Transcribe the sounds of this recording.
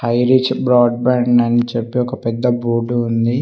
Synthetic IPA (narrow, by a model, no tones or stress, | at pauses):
hɐjɾit͡ʃbɾaːɖ̚baːɳɖɐnit͡ʃepːeɔkɐpɛd̪ːɐbuːʈuːnd̪i